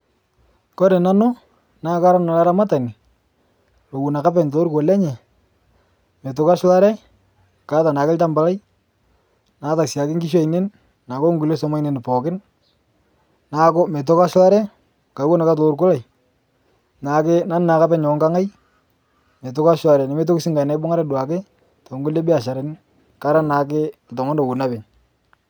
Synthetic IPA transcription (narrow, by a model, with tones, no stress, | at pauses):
kɔ˦ɾe˨na˦no˦ | na˦ka˦ɾa˦na˨la˦ɾa˦ma˦ta˨ni˨ | lo˨wu˨na˨ka˦pɛ˨nto˦ɾko˨lɛ˦ɲɛ˨ | me˨t̬ʊ˨ka˦ʃwa˦ɾɛ˦ | ka˨˦ta˨na˨kɪ˦lta˦mba˨la˦j | na˨ta˨sja˨kɪ˦ŋɡi˦ʃ̬a˦i˨ne˦n | na˨ko˦ŋɡu˨le˦sɔ˦ma˦ine˨n˨pɔː˨kɪ˦n | na˨kɔ˦me˨t̬ʊ˦ka˦ʃla˦ɾɛ˦ | ka˨˦wo˦na˨ka˦t̬o˨˦ɾkʊ˦la˨j | na˨kɪ˦na˦nɪ˦na˨ka˦pɛ˦ɲɔ˨˦ŋɡa˦ŋa˦j | me˨t̬ʊ˦ka˦ʃwa˨ɾɛ˨nɪ˨me˦t̬o˦ksi˦ŋɡa˨na˦bʊ˦ŋa˦ɾɛ˦da˨kɪ˦ | tɔ˨ŋɡu˦le˦bɪ˦a˨ʃa˨ɾe˨n˦ | ka˦ɾa˦na˨k̬ɪ˦˨tɔ˨ŋɔ˦ndo˨wu˨na˦bɪ˨ɲ